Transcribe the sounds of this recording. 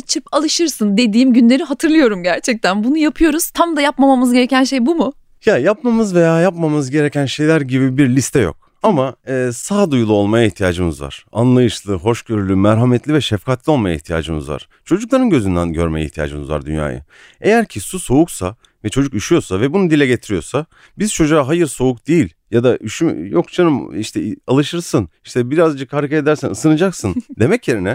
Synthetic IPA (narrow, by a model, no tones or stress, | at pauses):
t͡ʃʰɯpalˠɯʃɯɾsɯnd̪e̞d̪iːmɟynlʲe̞ɾiɦat̪ʰɯɾlˠɯjo̞ɾumɟæɾt͡ʃʰɛc̚t̪ʰænbunujapʰɯjo̞ɾuz̥t̪ʰamd̪ajapmamamɯzɟe̞ɾɛcʰænʃe̞jbumʊ | jajapmamɯzve̞jaːjapmamɯzɟe̞ɾecʰænʃe̞jlʲæɾɟibibiɾlʲist̪ʰɛjo̞̰k̚ | amaɯːsaːd̪ujulˠuo̞lˠmajaiçt̪ʰijaːd͡ʒɯmɯzva̰ɾ̥a̰nlˠajɯʃlˠɯɦo̞ʃɟø̞ɾylʲymɛɾɦamɛt̪lʲivɛʃɛfkʰat̪lʲˠio̞lˠmajaiht̪ʰija̰ːd͡ʒɯmɯ̰zva̰ɾ̥ | t͡ʃʰo̞d͡ʒuklˠaɾɯnɟø̞zynd̪ænɟø̞ɾmejɛḭht̪ija̰ːd͡ʒɯmɯzva̰ɾd̪ynja̰ːjɯ̰ | e̞jæɾcʰisuso̞uksa | vɛt͡ʃʰo̞d͡ʒukiʃijo̞savɛbunud̪ilʲɛɟe̞t̪ʰiɾijo̞sa | bizt͡ʃʰo̞d͡ʒuaɦajɯɾso̞ukd̪ijilʲjad̪aʔyʃyjo̞kt͡ʃʰanɯmiʃt̪ʰɛalˠɯʃɯɾsɯniʃt̪ʰɛbiɾazd͡ʒɯkʰhaɾɯkʰaed̪æɾsænɯsɯnɯd͡ʒaksɯnd̪e̞mɛcje̞ɾinɛ